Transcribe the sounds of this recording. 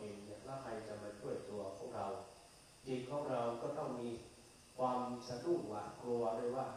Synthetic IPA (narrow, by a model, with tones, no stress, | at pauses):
ʔeː˧ŋni˥˩ɐlaː˥˩kʰɾa˧jt͡ɕa˨˩ma˧t͡ɕʰu˥˩əjt̪u˧ɐpʰu˥˩ək̚ɾa˧w | di˨˩k̚kʰːɔː˧˥˦ŋɾa˧wkɔː˥˩t̪ɔ˥˩ŋmiː˧ | kʰwaː˧msa˧du˥˩waː˨˩nklu˧ɐdu˥˩əjwaː˥˩